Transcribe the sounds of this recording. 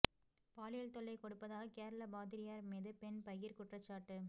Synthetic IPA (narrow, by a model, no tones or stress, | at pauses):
paːlɪjɐlt̪ɔɭːɐɪkɔɽɯpːɐðaːɣɐkeːɾɐlɐbaːðɪɾɪjaːɾmiːðɯpɛnpɐjɪɾkʊʈrɐt͡ʃːaːʈːɯ